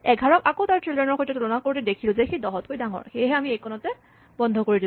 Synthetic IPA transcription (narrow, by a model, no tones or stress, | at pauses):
ɛɡʱaɹɔkakotaɹtɹilɛɹnɔɹxɔjtɔtulɔnakoɹtɛdekʰilʊ̃zɛxejdɔɦɔt̚kojdaŋɔ̰ɹxejɦɛamiejkʰɔnɔtɛ | bɔndʱɔkoɹidil